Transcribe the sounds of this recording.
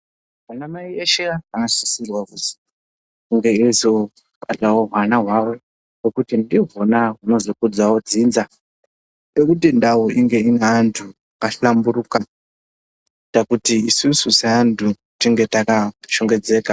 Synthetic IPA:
wanamaieʃiaanasisirwakusi̥ | kuŋɡeiizo | pʼa̰ɬawoɦwanaɦwawo | wokutindiɦonaɦunozokud͡zawod͡ziːnd͡za | pekut̬indawuʔiŋɡeinantʰu | kaɬambuɾuka | takutiːsususaandʰu | tiŋɡetakaʃoŋɡed͡zeːka

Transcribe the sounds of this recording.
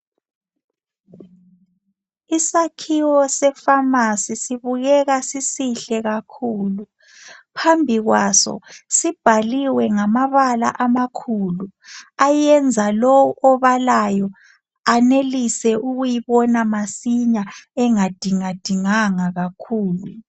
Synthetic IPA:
isakʰiwɔsɛfamasisiβuɣɛɣasisiɬɛɣakʰuːlu | pʰambʱiɣwasɔ̰sib̥ʱaliwɛŋamaβala̰ʔamakʰuluajɛnd͡zʱalɔwʔɔβalajɔ | anelisɛʔuɣujiβɔnamasiɲaɛŋad̥ʱiŋad̥ʱiŋaŋaɣakʰuːlu

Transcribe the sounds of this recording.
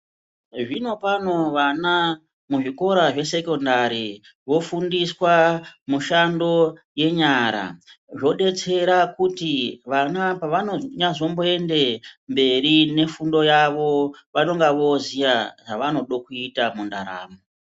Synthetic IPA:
ʐino̞pano̞ʋana | muʐiko̞ɾaʐe̞se̞ko̞ndaɾi | ʋo̞fundiswamuʃando̞ | je̞ɲaɾa̰ʐo̞ɗe̞t͡se̞ɾakutiʋanapaʋanoɲazo̞mbo̞e̞nde̞mbe̞rine̞fundo̞jaʋo̞ʋano̞ŋɡaʋo̞zijaʐaʋano̞ɗokuitamundaɾa̰ːmo

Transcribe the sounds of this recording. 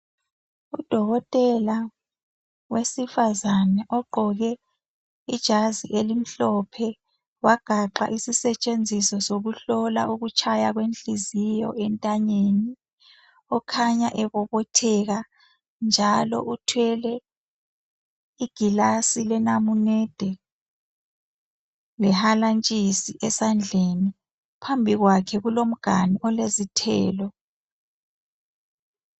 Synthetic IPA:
ud̥ʱɔɣɔtʼɛla | wesifazanɛʔɔɡ͡ǃʱɔɣɛ | id̥ʒ̥ʱaziʔelim̩ɬɔpʰɛ | waɡ̥ʱaǃa̰ʔisisɛt͡ʃʼend͡zʱisɔsoɣuɬɔlaʔuɣut͡ʃʼʰajaɣwent͡ɬʼizijɔ̰ʔɛntʼaɲeːni | ɔkʰaɲaʔɛβɔβɔtʰɛɣa | nd͡ʒʱalɔ̰ʔutʰwɛlɛ | iɡ̥ʱilasilɛnamunɛːd̥ʱɛ | lɛhalant͡ʃʼisiʔɛsand͡ɮʱeni | pʰambʱiɣwakʰɛɣulom̩ɡ̥ʱaniʔɔlezitʰɛːlɔ

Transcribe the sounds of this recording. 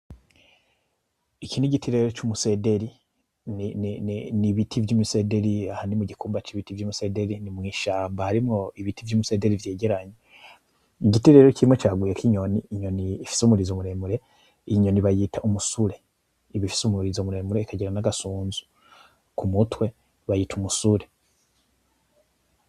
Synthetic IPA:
ikiniɟitʰiɾeeɾo̞t͡ʃumuse̞de̞ɾi | ninniβitʰivjuːmuse̞de̞ɾiahaːndimuɟikuːmbat͡ʃiβitivjuːmuse̞de̞ɾinimŋiːʃaːmbahaɾimŋo̞iβitivjuːmuse̞de̞ɾivjeːɟe̞ɾaɲe | iɟiteɾeɾociɾimŋecaːɡwujekiɲo̞niːɲo̞niːfi̥sumuɾizomuɾe̞muɾe̞ | ɲo̞niβajiːtʰaʔumusuɾe̞ | iβifi̥sumuɾizomuɾe̞ːmuɾeikaɟiɾanaɡasuːnzu̥ | kumutwe̞ | βajiːtumusuɾe̞

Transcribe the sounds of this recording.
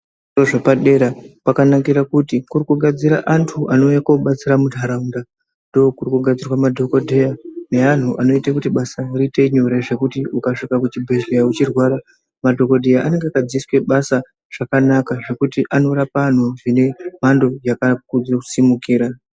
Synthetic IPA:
oʐepaɗe̞ɾapakanakiɾakutikurikuɡʱad͡ziɾa̰ʔantʰuʔano̞jakoɓat͡siramudʱaɾaunda | ndookurikuɡʱad͡zirwamadʱo̞ko̞dʱejane̞an̤uʔano̞itakutiɓasarite̞iɲuɾeʐe̞kutiukaʂikakut͡ʃibʱe̞ʒejaut͡ʃirwaɾa | madʱo̞ko̞dʱejaʔane̞ŋɡeakad͡ziswe̞ɓasa | ʐ̥akanakaʐe̞kutiʔano̞rapan̤uʐine̞m̤ando̞jakakud͡zosimukiːɾa

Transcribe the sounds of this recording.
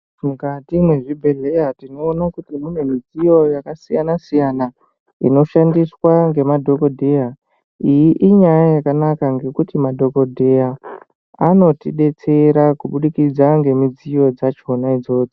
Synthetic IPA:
mukatimwe̞ʐibʱe̞ɮe̞jatino̞ːnakutimune̞mid͡zijo̞jakasijanasijana | ino̞ʃandiswaŋɡe̞madʱo̞ko̞dʱeja | ijiʔiɲajajakanakaŋɡe̞kutimadʱo̞ko̞dʱe̞ja | ano̞tiɗe̞t͡se̞ɾakuɓuɗikid͡zaŋɡe̞mid͡zijo̞d͡zat͡ʃo̞naid͡zo̞ːd͡zo

